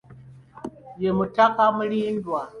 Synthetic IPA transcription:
jemutakamuɽiindua

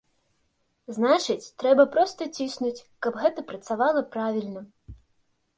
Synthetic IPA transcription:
znat͡ʂɨt͡sʲt̪ɾɛbɐpɾɔst̪ɐt͡sʲisnut͡sʲkɐbɣɛt̪ɐpɾɐt̪savalˠɐpɾavʲilʲnɐ

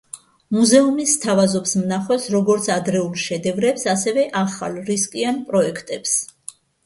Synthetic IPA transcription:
muzɛumist̪ʰavazɔpsmnaχwɛsɾɔɡɔɾt̪sʰad̪ɾɛulˠʃɛd̪ɛvɾɛpsasɛvɛʔaχa̰lˠɾiskʼianpʼɾɔɛkʰt̪ʼɛps

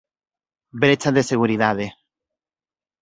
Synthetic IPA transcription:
bɾet͡ʃaðeseɣ̞uɾiðaðe

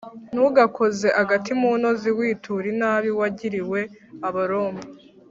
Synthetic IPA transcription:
n̥uɡakʰo̞ze̞ʔaɡatimuːno̞ziwiːtuɾinaːβiwaɟiɾiwe̞aβaɾo̞ːmbi

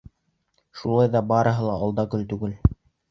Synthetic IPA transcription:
ʃulˠɑjðɑbɑɾɤ̆ɦɤlˠɑɑlˠd̪ɑkɵ̆lt̪ʉɡɘl

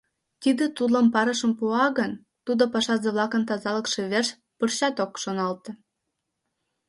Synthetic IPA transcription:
t̪id̪ĕt̪ud̪lɑmpɑɾə̆ʃə̆mpuɑɣən | t̪ud̪opɑʃɑzĕβlɑkənt̪ɑzɑlə̆kʃeβerʃ | pərɕɑt̪okʃonɑlt̪

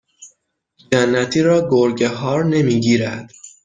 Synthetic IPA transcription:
d͡ʒænːæt̪ʰiːɾɒːɡoɾɟeɦɒːɾne̞miːɟiːɾæd̪̥

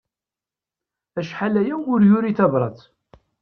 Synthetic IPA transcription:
æʃħalæjæʊɾjʊɾiθævɾˤɑ̰t̪

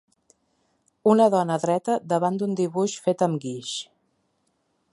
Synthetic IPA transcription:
unəðɔnəːðɾɛt̪əd̪əβand̪und̪iβuʃfet̪əmɡiʃ

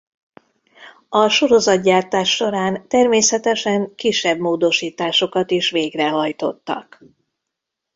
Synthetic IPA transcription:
ɒʃo̞ɾo̞zɒt̪ɟaːrt̪aːʃːo̞ɾaːnt̪ɛrmeːsɛt̪ɛʃɛŋkiʃːɛbmoːd̪o̞ʃiːt̪aːʃo̞kɒt̪iʃʋeːɡrɛɦɒjt̪o̞̰t̪ːɒ̰k

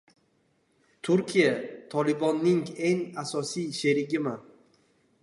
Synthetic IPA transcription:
t̪ʰʊɾkʲʰijat̪ʰɒlɪbɒnːɪŋe̞ŋasɒsijʃe̞ɾɪɡʲɪman

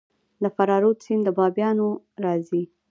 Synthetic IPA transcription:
d̪əfaɾɑɾot͡sind̪əbɑbjɑno | ɾɑzi

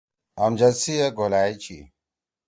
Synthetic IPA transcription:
ɐmd͡ʑɐsijeɡolaːjt͡ɕḭ

